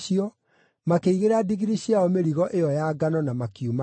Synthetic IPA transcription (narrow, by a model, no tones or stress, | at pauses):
iɔ | makeiɣeɾadiɣiɾiɕiaɔmeɾiɣɔʔejɔjaɡanɔnamakiuma